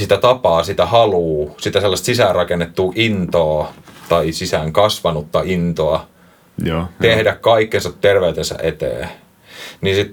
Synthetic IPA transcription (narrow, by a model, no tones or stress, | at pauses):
sit̪æt̪ɑpɑːsit̪æhɑluːsit̪æselːɑst̪sisæːrɑkenːet̪ːuːʔint̪oːt̪ɑisisæŋkɑsʋɑnut̪ːɑint̪oɑ | t̪ehdækkɑikːensɑt̪terʋeyt̪ensæ̰ʔet̪ḛː | ninsit̪